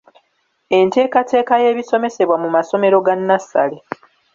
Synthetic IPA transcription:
e̞nte̞ːkate̞ːkaje̞ːβiso̞me̞se̞βwamumaso̞me̞ɾo̞ɡanːasːa̰le

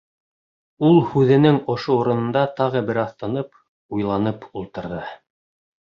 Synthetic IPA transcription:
ulˠhʉðɘ̆nɘŋŏʃouɾɤ̆nɤ̆nd̪ɑt̪ɑʁɤbɘ̆ɾɑθt̪ɑnɤp̚ | ujlˠɑnɤpulˠt̪ɤ̆ɾðɤ

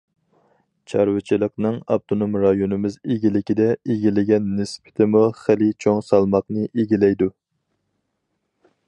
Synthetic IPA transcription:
t͡ʃʰɑɾwɨt͡ʃʰilˠəqnɨŋɑ̰b̚t̪ʰonomɾɑjonɨmɪzeɡʲilɪkʲid̪ɛeɡʲilɪɡʲɛnːɪspʰɪ̥t̪ʰɪmuχɪlɪt͡ʃʰoŋsɑlˠmɑqnɨʔeɡʲilɛjd̪u

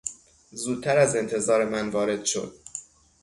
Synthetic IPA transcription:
zuːdt̪̚t̪ʰæɾæze̞nt̪ʰe̞zɒːɾe̞mænvɒːɾe̞d̪̥ʃo̞̰d̪̥̚

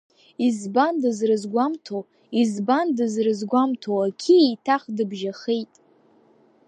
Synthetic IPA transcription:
izbandɨzrɨzɡʷamtʰo | izbandɨzrɨzɡʷamtʰoakʲʰiejtʰaχdɨbʒaχejtʼ

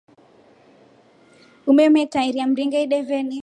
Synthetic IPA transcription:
umɛmɛtaiɾiam̩ɾiŋɡɛiɗɛvɛni

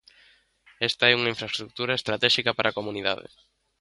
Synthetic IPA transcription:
ɛst̪ɐɛuŋɐiɱfɾaest̪ɾuk̚t̪uɾaest̪ɾat̪ɛʃikɐpaɾʔakomuniða̰ðḛ

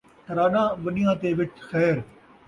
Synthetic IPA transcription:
ɾaːnãːʋənɪjãːt̪eːʋɪt͡ʃxɛːɾ

